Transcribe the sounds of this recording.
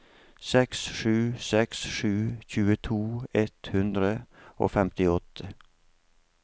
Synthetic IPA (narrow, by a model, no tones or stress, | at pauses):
sɛksʃʉːsɛksʃʉːçʉːət̪ʰuːɛt̪hʉnd̪ɾəo̰ːfɛmt̪ɪɔt̪ʰə